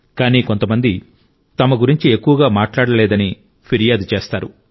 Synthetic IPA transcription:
kaːniːko̞nt̪ɐmɐnd̪i | t̪ɐmɐɡuɾiɲt͡ʃie̞kːuʋɐɡaːmaːʈlaːɽɐlɛːd̪ɐni | pʰiɾijaːd̪t͡ʃeːst̪aːɾu

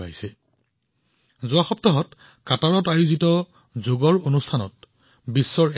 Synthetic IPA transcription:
a̰jsɛ | zʊaxɔp̚tɔɦɔt | kataɹɔtajuzitɔ | zoɡɔɹonustʰanɔ̰t̚ | bisːɔɹ

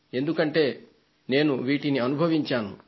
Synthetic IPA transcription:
e̞nd̪ukɐɳʈe̞ː | ne̞ːnuʋiːʈiniɐnubʱɐʋiɲt͡ʃaːnṵ

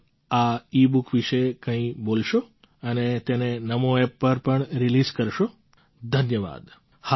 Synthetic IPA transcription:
aibukʋɪʃekə̃ĩbolʃo | ənet̪enenəmoepːəɾpəɳɾilizkəɾʃo | d̪ʱənjəʋa̰ːd̪ | ha

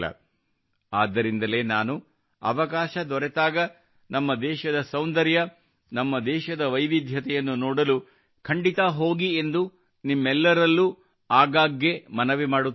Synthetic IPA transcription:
ɐ̰ | aːd̪ːɐɾind̪ɐle̞ːnaːnu | ɐ̰ʋɐkaːʃɐd̪ɔɾɛt̪aːɡɐ | nɐmːɐd̪ɛːʃɐd̪ɐsɐwnd̪ɐɾjɐ | nɐmːɐd̪ɛːʃɐd̪ɐʋɐjʋid̪ʱjɐt̪ɛjɐnːunɔːɽɐlu | kʰɐɳɖit̪aɦo̞ːɡie̞nd̪u | nimːɛlːɐɾɐlːu | aːɡaːɡːemɐnɐʋimaːɽu

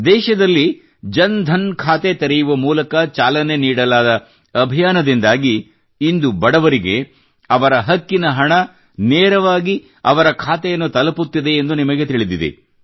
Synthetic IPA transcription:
d̪ɛːʃɐd̪ɐlːi | d͡ʒɐnd̪ʱɐnkʰaːt̪e̞t̪ɐɾɛjuʋɐmuːlɐkɐt͡ʃaːlɐne̞niːɽɐlaːd̪ɐ | ɐbʱijaːnɐd̪ind̪aːɡiː | nd̪ubɐɽɐʋɐɾiɡe̞ | ɐʋɐɾɐɦɐkːinɐɦɐɳɐ | nɛːɾɐʋaːɡi | ɐ̰ʋɐɾɐkʰaːt̪ɛjɐnːut̪ɐlɐput̪ːid̪e̞ːnd̪unimɐɡe̞t̪iɭid̪id̪ḛ

